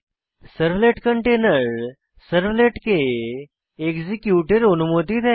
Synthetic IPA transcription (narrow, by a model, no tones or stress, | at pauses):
səɾʋleʈkəɳʈenəɾ | səɾʋleʈkeː | kd͡zikjuʈeɾənumot̪iːd̪a